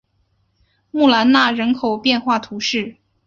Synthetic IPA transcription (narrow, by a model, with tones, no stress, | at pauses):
mu˥˩la˧˥nna˥˩ɻə˧˥nkʰo˨˩ʊpjɛ˥˧nxwa˥˩t̪ʰu˧˥ʂɻ̩˥˩